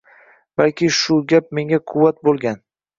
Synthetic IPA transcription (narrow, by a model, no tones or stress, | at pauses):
balkʲɪʃʊɡʲap̚me̞ŋaqʰʊvːat̪̚bolˠɡʲan